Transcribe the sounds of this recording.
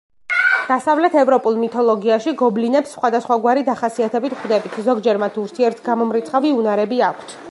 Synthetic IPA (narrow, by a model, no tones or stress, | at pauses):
d̪̥asavlɛt̪ʰɛvɾɔpʼulˠmit̪ʰɔlˠɔɡiaʃiɡɔblinɛpsːχwad̪asχwaɡwaɾid̪aχasiat̪ʰɛbit̪ʰχwd̪ɛbit̪ʰzɔɡd͡ʒɛɾmat̪ʰuɾt̪ʰiɛɾt̪ʰɡamɔmɾit̪sʰχaviunaɾɛbiakʷʰt̪ʰ